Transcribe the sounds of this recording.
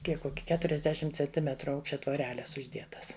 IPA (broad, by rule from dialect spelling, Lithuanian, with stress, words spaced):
ˈkʲiɛk ˈkoːkʲɪ kʲɛtʊrʲɛzʲˈdʲæːʃʲɪmt t͡sʲɛnʲˈtʲɪmʲɛtrʊ ˈɐʊkʃʲt͡ʃʲɛ tʋoːˈrʲæːlʲɛs ʊʒʲˈdʲiɛtɐs